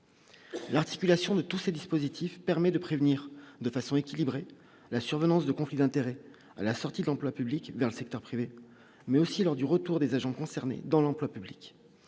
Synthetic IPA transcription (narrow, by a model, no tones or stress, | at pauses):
laʁt̪i̥kʲylasjɔ̃d̪ət̪used̪ispozit̪ʰifpɛʁmɛd̪əpχevniːʁd̪əfasɔ̃ekʲilibʁe | lasyʁvənɑ̃sd̪əkɔ̃flid̪ɛ̃t̪eʁɛ | a̰lasɔʁt̪id̪əlɑ̃plwapyblikvɛʁləsɛk̚t̪œʁpχive | mɛosilɔʁd̪yʁət̪uʁd̪ezaʒɑ̃kɔ̃sɛʁnḛd̪ɑ̃lɑ̃plwapyblik